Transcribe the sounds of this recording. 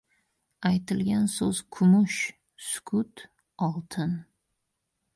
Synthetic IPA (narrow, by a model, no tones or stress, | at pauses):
ajt̪ʰɪlɡʲansɵz̥kʰʊmʊʃ | sʊkʰʊt̪ | ɒlˠt̪ʰɪn